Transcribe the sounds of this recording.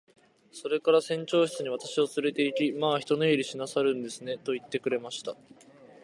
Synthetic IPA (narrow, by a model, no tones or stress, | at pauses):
so̞ɾe̞kaɾasẽ̞ɲ̟t͡ɕo̞ːɕi̥t͡sɨɲ̟iβ̞at̪aɕiot͡sɨɾe̞t̪e̞ikʲimaːçi̥t̪o̞noiɾʲiɕinasaɾɯ̟̃nd̪e̞sɨne̞t̪o̞it̪ːe̞kɯ̟ɾe̞maɕi̥t̪a